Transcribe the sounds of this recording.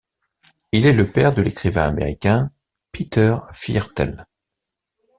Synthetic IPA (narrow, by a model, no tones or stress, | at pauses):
ilɛləpɛʁd̪əlekχivɛ̃amḛʁikʲɛ̃ | pit̪œʁfiɛʁt̪ɛ̰l